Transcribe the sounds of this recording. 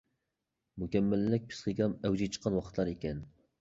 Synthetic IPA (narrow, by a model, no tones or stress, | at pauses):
mukʲɛmːælːɪk̚ʲpʰɨ̥sχəɡʲɑmɛwd͡ʒit͡ʃʰə̥qʰːɑnwɑqʰət̪lˠɑɾekʲɛn